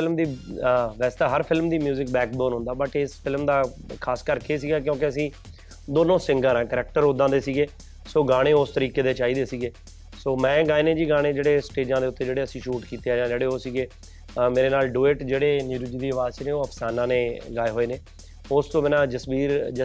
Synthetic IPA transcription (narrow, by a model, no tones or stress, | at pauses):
ɪlmd̪iːʋɛːst̪aːɦəɾpʰɪlmd̪iːmjuːzɪk̚bɛːk̚boːnɦʊ̃nd̪aːbəʈɪspʰɪlmd̪aː | kʰaːskəɾkʰesiːɡaːk̬jõːkɪəsĩː | d̪oːnõːsɪŋɡaːɾãːkəɾɛːk̚ʈəɾod̪ãːd̪eːsiːɡeː | soːɡaːɽ̃ẽːʊst̪əɾiːkeːd̪eːt͡ʃaːiːd̪eːsiːɡeː | soːmɛ̃ːɡaːeːneːd͡ʒiːɡaːɽ̃eːd͡ʒeːɽeːsʈeːd͡ʒãːd̪eːʊt̪ːeːd͡ʒeːɽeːəsĩːʃuːʈkiːt̪eːaːd͡ʒãːd͡ʒeːɽeːoːsiːɡeː | meːɾeːnaːlɖuːeːʈd͡ʒeːɽeːniːɾʊd͡ʒiːd̪iːəʋaːzsineːoːəpʰsaːnãːneːɡaːeːɦoːeːneː | ʊst̪õːmeːnãːd͡ʒəsbiːɾ